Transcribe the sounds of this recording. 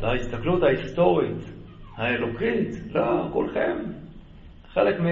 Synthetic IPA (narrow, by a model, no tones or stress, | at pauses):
aist̪aklut̪hahist̪o̞ʁit̪ | haelokit̪lokolχem | χelekmi